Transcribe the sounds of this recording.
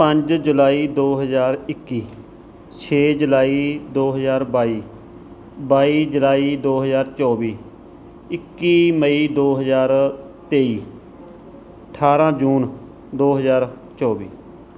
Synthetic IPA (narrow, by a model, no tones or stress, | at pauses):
pəɲd͡ʒd͡ʒʊlaːiːd̪oːɦəzaːɾɪkːiː | t͡ʃʰeːd͡ʒʊlaːiːd̪oːɦəzaːɾbaːiː | baːiːd͡ʒəlaːiːd̪oːɦəzaːɾt͡ʃɔːbiː | ɪkːiːməiːd̪oːɦəzaːɾ | t̪eːiː | əʈʰaːɾãːd͡ʒuːn | d̪oːɦəzaːɾ | t͡ʃɔːʋiː